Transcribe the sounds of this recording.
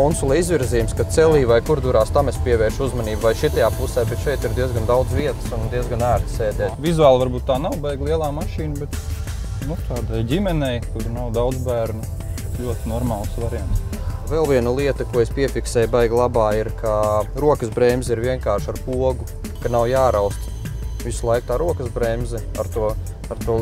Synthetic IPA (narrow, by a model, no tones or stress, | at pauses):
konsulˠɛizʋʲiɾziːjumskat̪sɛlʲˠiːʋajkuɾd̪uɾaːst̪amespiɛʋɛːɾʃuzmaniːbvajʃit̪ajaːpusɛːbɛt̪ʃɛjt̪iɾd̪iɛzɡand̪awd̪zʋʲiɛt̪ə̥snnd̪iɛzɡanæːɾt̪seːd̪ɛːt̪vizuaːlˠʋaɾbuːt̪̚t̪ːaːnawbɛjɡlˠiɛlˠaːmaʃiːnbɛt̪ | nut̪ʰaːd̪ajɟʲimɛnɛjkuɾnawd̪awd̪zbæːɾnu | bet̪lʲuɔt̪ɪnɔɾmaːlˠsʋaɾiɛms | vɛlˠʋiɛnɐlˠiɛt̪ɐkuɔespʲiɛfʲiksɛːjbɛjɡlˠabaːiɾkʰaɾuɔkəsbɾɛːmʲziɾʋiɛŋkaːɾʃaɾpuɔɡu | kanawjaːɾawst̪ | visulˠajk̚t̪aːɾuɔkəzbɾɛːmʲzɛ | aɾt̪uɔ | aɾt̪uɔ